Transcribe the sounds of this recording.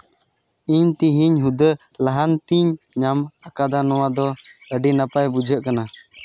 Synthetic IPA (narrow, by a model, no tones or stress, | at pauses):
iɲt̪iɦiɲɦud̪ə | laɦant̪iɲ | ɲamakad̪anɔwad̪ɔəɖinapajbud͡ʒʱəʔkana